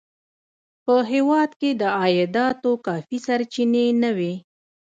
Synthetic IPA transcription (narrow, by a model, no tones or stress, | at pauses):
pəɦewɑd̪ked̪əɑjɪd̪ɑt̪okɑfisaɾt͡ʃinenəwi